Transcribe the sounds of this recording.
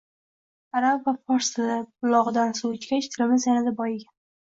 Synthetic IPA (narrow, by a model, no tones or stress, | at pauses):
aɾabvafɒɾst̪ɪd̪aʊlˠɒʁɨd̪ansut͡ʃkʲat͡ʃt̪ʰɪlɪmɪzjanad̪abɒjɪɡʲa